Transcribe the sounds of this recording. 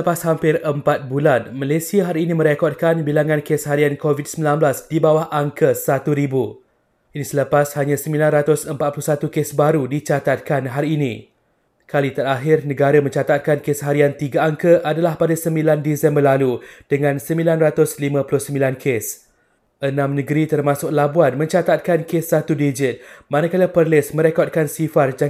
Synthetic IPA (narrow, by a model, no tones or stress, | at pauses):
səpashampɪrəmpat̪̚bulanmalesiaɦaɾiːnĩmə̃ɾekɔd̚kanbilaŋãnkeshaɾiankovit̚səmbilanblasdibawahʔaŋkəsat̪uɾibu | ʔinĩsələpashaɲãsəmilanrat̪ʊsəmpat̪̚pulusat̪ukesbaɾudit͡ʃat̪at̪̚kanɦaɾiːnḭ̃ | kalit̪ataɦɪrnə̃ɡaɾamə̃ɲt͡ʃat̪at̪̚kankesɦaɾiant̪iɡaaŋkəʔadalahpadasəmbilandisɛmbərlalud̥əŋãnsəmbilanrat̪ʊslimãpulʊhsəmbilankʰes | ʔənãmnə̃ɡəɾit̪ərmãsʊk̚labuanmə̃ɲt͡ʃat̪at̪̚kankesːat̪udid͡ʒɪt̪̚mãnãkaləpərlɪsmə̃ɾekɔt̚kansifard͡ʒa